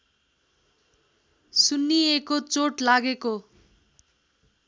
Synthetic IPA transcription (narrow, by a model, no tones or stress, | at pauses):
sunːiekot͡soʈlaɡeko